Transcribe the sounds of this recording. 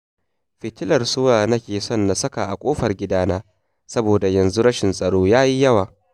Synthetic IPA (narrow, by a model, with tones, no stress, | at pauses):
ɸɪ˨tɪ˦lɐ˨rsʊ˦waː˨nɐ˦kʲeː˨sɔ˦˨nːa˨sɐ˦ka˨ʔa˨kʷʼoː˦ɸɐ˨rɡʲɪ˦daː˦naː˦ | sɐ˦boː˨da˨jɐ˨nzu˦ɽɐ˦ʃɪ˨nsʼɐ˨ɽoː˦jaː˦ji˦jɐ˦waː˨